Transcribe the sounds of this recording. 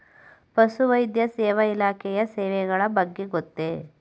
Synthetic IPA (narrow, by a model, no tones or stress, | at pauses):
pɐsuʋɐjd̪jɐsɛːʋɐilaːkʰɛjɐsɛːʋɛɡɐɭɐbɐɡːe̞ɡot̪ːe